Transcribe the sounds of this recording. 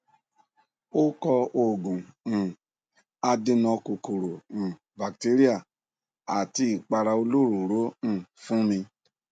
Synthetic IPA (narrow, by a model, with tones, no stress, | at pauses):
o˦kɔ˧o˨ɡũ˨ | a˧de˧nɔ̃˧ko˨ko˨ɾõ˨ | ba˨k̚te˦ɾi˦a˦˨ | a˨ti˧i˦˨k͡pa˧ɾa˧o˧lo˦ɾu˨ɾo˨˦ñ̩˦˨fũ˦nĩ˧